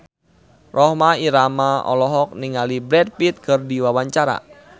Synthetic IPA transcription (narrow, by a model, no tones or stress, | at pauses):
rɔhmaiɾamaɔ̰lɔɦɔk̚niŋalibɾɛd̚pit̪̚kɨrdiwawaɲt͡ʃaɾa̰